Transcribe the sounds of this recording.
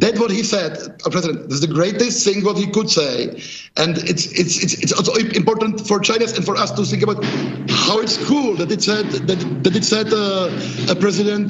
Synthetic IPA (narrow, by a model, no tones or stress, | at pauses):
ðæt̚wɔt̚hisɛd | əpʰɹɛzɪdə̃ntðɪzðəɡɹeɪtɨst̚θɪ̃ŋwɔt̚hikʊdseɪ | ʔɛ̃ndɪtsɪtsɪtsɪtsɔlˠsoɪ̃mpɔɹtə̃n̩tfɔɹt͡ʃãɪ̃nɨzɛ̃nfɔɹʌstuθɪ̃ŋkəbaʊthaʊɪtskʰulˠd̪ætɨtsɛdðætd̪ætɨtsɛdə | əpɹɛzɪdə̃nt